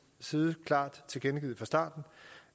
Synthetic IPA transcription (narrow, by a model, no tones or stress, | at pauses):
siːð̩ˠəkʰlɑ̰̈ːd̥t͡sʰe̝lɡ̥enɡ̥ḭð̩ˠfɒ̈sd̥ɑ̰̈ːd̥n̩